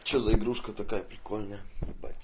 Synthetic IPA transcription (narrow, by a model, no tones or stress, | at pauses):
t͡ɕozəɪɡɾuʂkət̪ɐkajəpɾʲɪkolʲnəjəba̰tʲ